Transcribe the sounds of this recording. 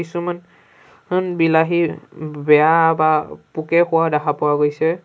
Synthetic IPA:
isuman | hɯnbilaɦibɛjabapukɛxʊwadakʰapʊwaɡojsɛ

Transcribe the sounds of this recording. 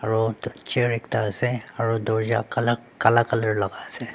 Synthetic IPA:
ɐɾot͡ʃeɾɪkt̪aseɐɾod̪oːd͡ʒa̰kɐləɾkɐlakələɾlɐɡase

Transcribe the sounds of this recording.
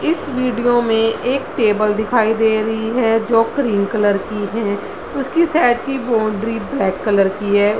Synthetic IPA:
ɪsʋiːɖijoːmẽeːkʈeːbəld̪ɪkʰaːid̪eːɾəɦiɦɛːd͡ʒoːkɾiːŋkələɾkiɦɛ̃ː | ʊskisaːʈkibõːɳɖɾiːblɛːkːələɾkiɦɛː

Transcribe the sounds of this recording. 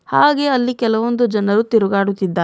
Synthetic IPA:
haːɡe̞ɐlːikɛlɐʋond̪ud͡ʒɐnɐɾut̪iɾuɡaːɽut̪ːid̪ːaː

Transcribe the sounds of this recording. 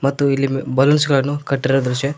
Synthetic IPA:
mɐt̪ːuilːibɐlɐnsɡɐɭɐnːukɐʈːiɾod̪ɾuʃe

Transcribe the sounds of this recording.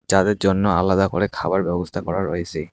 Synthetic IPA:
d͡ʒad̪ɛzɔnːɔa̰lad̪akɔ̰ɹɛkʰabaɹbɛbɔst̪ʰakɔɹaɹɔjsɛ

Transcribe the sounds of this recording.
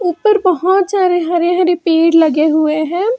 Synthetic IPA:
ʊpːəɾbəɦɔt̪saːɾeɦãɾeɦaɾepeːɽləɡeɦʊeɦɛ̃ː

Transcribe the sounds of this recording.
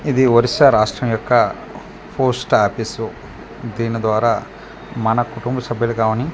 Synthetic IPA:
id̪iʋɐɾisɐɾaːʂʈɾɐmjɔkːɐ | pʰoɾsʈaːpisu | d̪iːnid̪ʋaːɾaː | mɐnɐkuʈumbɐsɐbʱjɐlukaːmɐni

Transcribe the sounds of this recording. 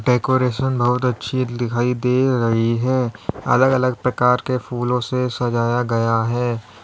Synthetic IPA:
ɖeːkoːɾeːʃənbɐɦʊt̪ɐtːʃʰid̪ɪkʰaːid̪eːɾɐɦiɦɛːɐ̰ləɡɐləɡ̚pɾɐkaːɾkefʰuːlõsesɐd͡ʒaːjaɡɐjaɦɛː

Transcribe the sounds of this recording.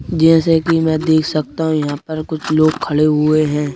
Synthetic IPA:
d͡ʒɛ̃ːsekimɛ̃ːd̪eːkʰsɐk̚t̪aɦũjɐɦãpɐɾkʊt͡ʃʰloːɡkʰɐɽeɦʊeɦɛ̃ː

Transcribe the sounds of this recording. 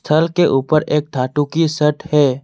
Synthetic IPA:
st̪ʰəlkeʔuːpəɾeːk̚d̪ʰʱaːʈukisəʈʰhɛː

